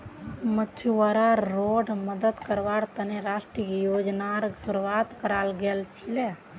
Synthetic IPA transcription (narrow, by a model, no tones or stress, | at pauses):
məːt͡ʃʰuaɾaɾːoɖməd̪əd̪kəɾbaɾt̪əneɾasʈɾikejod͡ʒnaɾsuɾʋat̪kəɾalɡelt͡ʃʰile